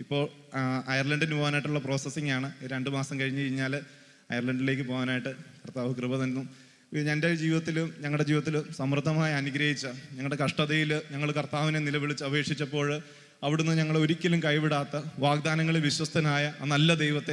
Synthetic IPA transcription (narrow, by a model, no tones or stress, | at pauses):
ipːo̞ːɭ | ɐjɐrlɐɳɖinːɨpo̞ːɣanaːjiʈːuɭːɐpro̞ːsɐsiŋɡaːɳɨɾe̞ɳɖɨmaːsɐmkɐɻiɲːɨt͡ɕejiɲːaːl | ɐjɐrlɐɳɖileːk̬ːɨpo̞ːɣaːnaːjiʈːɨkɐrt̪aːʋɐkrɨbɐt̪ɐnnːum | ɲɐnded͡ʑiːʋiðɐt̪̬ːiluɲɐŋɐɭɽed͡ʑiːʋðɐt̪ːilusɐmrɨd̪ʱːɐmaːjɐːnuɡɾɐɦit͡ɕːɐɲɐŋːɐɭɽe̞kɐʂʈɐðɐjilɲɐŋːɐɭkɐrt̪aːʋinenilɐʋiɭit͡ɕːɐʋe̞ːkʂit͡ɕːɐpːo̞ːɭ | ɐʋiɽunːɨɲɐŋːɐɭeo̞ɾikʲːɐlumkɐjpiɽaːt̪ːɐʋaːɡ̚d̪aːnɐŋːɐɭilʋiɕwɐst̪ʰɐnaːjɐnɐlːɐd̪ejʋɐt̪ːe